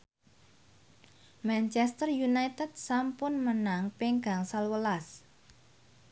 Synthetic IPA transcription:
mant͡ʃɛst̪ərjunajt̪əd̪̚sampʊnmənaŋpeŋɡaŋsalwəlas

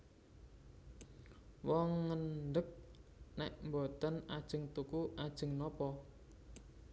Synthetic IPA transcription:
wɔŋːənɖək̚nɛʔmbɔt̪ənad̥ʒ̥ə̤ŋt̪ukuʔad̥ʒ̥ə̤ŋnɔpɔ

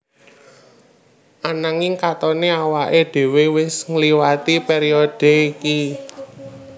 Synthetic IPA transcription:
ʔanaŋɪŋkat̪ɔneawaʔeɖ̪̥e̤wewɪsŋliwat̪ipeɾiɔd̥e̤iki

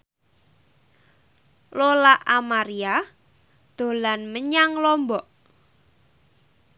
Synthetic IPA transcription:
lolaʔamaɾia | d̪̥o̤lanməɲaŋlɔmbɔʔ

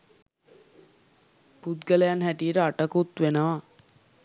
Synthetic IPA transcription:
put̪ɡələjanɦæʈiəɾəaʈəkut̪ʋenəʋa

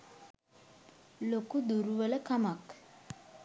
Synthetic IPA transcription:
lokud̪uɾuʋələkamak

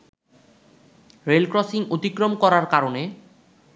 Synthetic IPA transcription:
ɾelkɾɔsiŋot̪ikɾomkɔɾaɾkaɾone

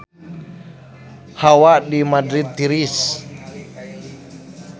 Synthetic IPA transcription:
hawaʔdimadɾit̪ːiɾis

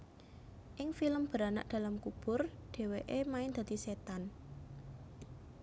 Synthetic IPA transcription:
ʔɪŋfiləmb̥əɾana̰ʔd̪̥ä̤lamkub̥ʊ̤rɖ̪̥e̤weʔemaɪnd̪̥ä̤d̪iset̪an

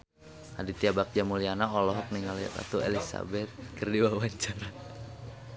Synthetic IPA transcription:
hadit̪iabak̚d͡ʒamulianaɔlɔɦɔk̚niŋalia̰t̪a̰t̪uḛlisa̰bɛt̪̚kərdiwawaɲt͡ʃaɾa

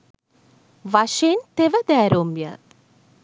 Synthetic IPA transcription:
ʋaʃeːnt̪eʋəd̪ɛːɾoːmbja̰

